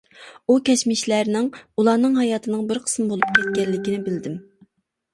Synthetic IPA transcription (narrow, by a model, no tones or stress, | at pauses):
ukʲɛʃmɪʃlæɾnɪŋulˠɑːnɨŋɦɑjɑːt̪ʰɨnɨŋbɪɾqʰə̥smbolˠup̚kʲʰɛt̪̚kʲɛlːɪkʲinɪbɪld̪ɪm